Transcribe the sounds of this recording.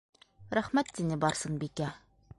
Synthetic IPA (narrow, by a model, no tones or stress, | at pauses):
ɾæχmæt̪sinɘbɒɾsɤnbikæ